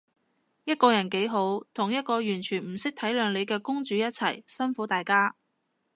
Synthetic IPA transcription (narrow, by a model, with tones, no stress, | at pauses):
jɐ˥t̚kɔː˧jɐ˨˩nke˨˥jɦo˨˥wt̪ʰʊ˨˩ŋjɐ˥t̚kɔː˧jyː˨˩nt͡ʃʰyː˨˩nm̩˨˩sɪ˥k̚t̪ʰɐ˨˥jlœː˨˧ŋle˨˧jkɛː˧kʊ˥ŋt͡ʃyː˨˧jɐ˥t̚t͡sʰɐ˨˩jsɐ˥nfuː˨˥t̪aː˨jkaː˥